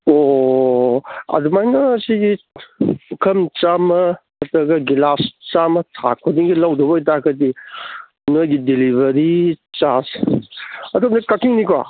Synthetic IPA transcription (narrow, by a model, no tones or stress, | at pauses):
o | ɐ̰dumajnɐːsiɡi | ukʰɐmt͡ʃamɐː | tɐɡɐɡilast͡ʃamɐtʰa̰kʰodiŋɡilawdɔbɐjtakɐdi | nojɡidilibɐɾit͡ʃas | ɐtʰɐmdɐkakiŋnikwa̰